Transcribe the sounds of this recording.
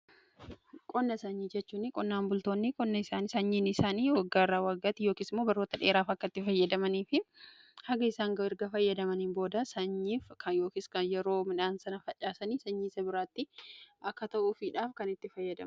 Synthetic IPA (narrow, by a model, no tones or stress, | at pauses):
kʼɔnːɐsɐɲːid͡ʒɛt͡ʃːuːnɪkʼɔnːaːmbʊlt̪oːnːɪkʼɔnːɐɪsaːnɪsɐɲːiːnɪsaːniːwɐɡːaːɪrːaːwɐɡːɐt̪ɪjoːkiːsɪmːoːbɐrːoːt̪ɐᶑe̞ːɾaːfɐkːɐt̪ːɪfɐjːɐd̪ɐmɐniːfɪ | hɐɡɐɪsaːŋɡɐɪɾɡɐfɐjːɐd̪ɐmɐninbo̞ːd̪ɐsɐɲːiːfkʰɐjo̞ːkiːskɐnjɛɾo̞ːmɪᶑaːnsɐnɐfɐt͡ʃʼːaːsɐniːsɐɲːiːsɐbɪɾaːt̪ːɪɐkːɐt̪ɐʔʊfɪᶑaːfkɐnɪt̪ːɪfɐjːɐd̪ɐ̰m